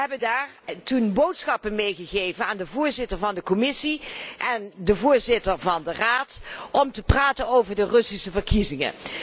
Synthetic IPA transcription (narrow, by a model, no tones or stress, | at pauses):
ɦɛbəndaːɹtunbowtsχɑpənmejχəɣejvənaːndəvʊːɹzɪtəɹvɑndəkɔmɪsiʔɛndəvʊːɹzɪtəɹvɑndəraːtʔɔmtəpraːtənowvəɹdərɵsisəvəɹkizɪŋə̰